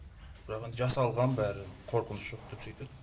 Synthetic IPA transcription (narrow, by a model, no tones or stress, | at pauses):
b̥ɪɾɑqend̪ɪʒɑsɑlˠʁɑnbæɾɪqʰo̞ɾqənʊsʒ̥o̞q̚d̪e̞psøjt̪ed̪ɪ